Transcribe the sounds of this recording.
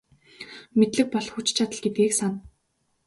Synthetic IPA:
met̪ɮɘ̆k̚pɔɮxut͡ɕt͡ɕʰat̪ə̆ɮɡet̪̚ɡeːksan

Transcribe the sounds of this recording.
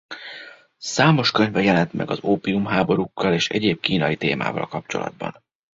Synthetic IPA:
saːmo̞ʃkø̞ɲvɛjɛlɛnt̪mɛ̰ɡɒzoːpiumɦaːbo̞ɾukːɒleːʃɛ̰ɟeːb̚kiːnɒjit̪eːma̰ːvɒ̰lkɒp̚t͡ʃo̞̰lɒ̰d̪̚bɒ̰n

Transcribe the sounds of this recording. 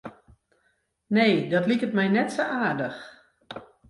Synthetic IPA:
neːdɔtlikətmɛjnɛtsoʔaːrdəx

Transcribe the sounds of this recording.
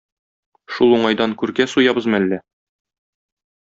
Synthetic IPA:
ʃulˠuɴɑjd̪ɑŋkʉɾɡæsujɑbɤ̆zmælːæ

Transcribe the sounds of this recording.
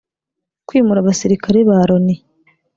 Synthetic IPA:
kwiːmuɾaβasiɾikaɾeβaɾoni

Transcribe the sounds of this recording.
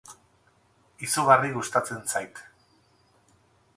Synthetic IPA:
isuɣariɣust̪at͡se̞nsajt̪

